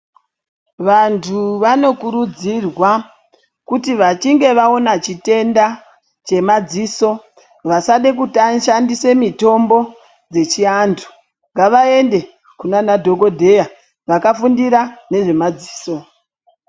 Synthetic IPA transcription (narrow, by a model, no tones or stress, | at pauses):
ʋantʰuʋano̞kuɾud͡zirwa | kutiʋat͡ʃiŋɡe̞ʋao̞nat͡ʃite̞nda | t͡ʃe̞mad͡ziso̞ | ʋasaɗek̬utanʃandise̞mito̞mbo̞ | d͡ze̞t͡ʃiantʰu̥ | ŋɡaʋae̞nde̞ | kunanadʱo̞ko̞dʱe̞ja | ʋakafundiɾane̞ʐe̞mad͡zi̥ːso̞